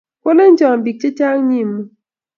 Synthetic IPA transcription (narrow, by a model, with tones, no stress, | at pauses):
ko˦le˦n̩˦d͡ʒɔ˨m˨bi˨k̚t͡ʃi˦t͡ʃa˦ŋ˦ɲi˦˨mː˨